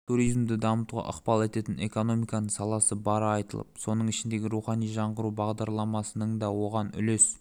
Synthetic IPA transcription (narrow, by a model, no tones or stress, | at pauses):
t̪ʰuɾijzmd̪ɪd̪ɑmət̪uʁɑ̰ʔə̰qpɑlˠe̞t̪e̞t̪ɪne̞̰ko̞no̞mijkɑnəɴsɑlˠɑsəbɑɾɑjt̪əlˠə̰ppso̞nəɴɪʃɪnd̪e̞ɡʲɪɾuχɑnijʒɑɴʁəɾubɑʁd̪ɑɾlˠɑmɑsənəɴd̪ɑwo̞ʁɑnʏ̰le̞s